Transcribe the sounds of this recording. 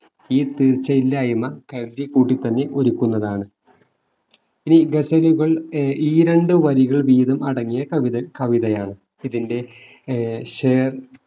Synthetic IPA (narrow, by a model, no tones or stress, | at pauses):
iːt̪iːrt͡ɕːɐilːaːjɐmɐkɐɻd̪jɐkːuːʈːit̪ːɐnːe̞ʔoɾukːunːɐðaːɳɨ | iniɡesɐluɣɐɭiːɾeɳɖɨʋɐɾiɣɐɭʋiːðɐmɐɽɐŋːijɐkɐʋiðɐkɐʋiðɐjaːɳɨ | iðinde̞ | ɕeːr